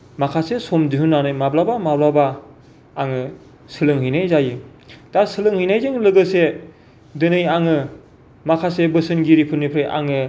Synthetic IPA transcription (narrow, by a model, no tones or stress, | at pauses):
makʰasesɔmdiɦunːanɯjmablabamablabaː | ŋɯ | sɯlɯŋɦɯjnajzajɯtasɯlɯŋhɯjnajzɯŋlɯɡɯse | dɯnɯjaŋɯ | makʰasebɯsɯnɡiɾipʰɯnːipʰɾejʔa̰ŋɯ